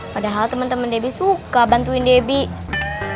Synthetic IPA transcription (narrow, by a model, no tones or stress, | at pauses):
padaɦalt̪əmənt̪əməndebisukabant̪uindebi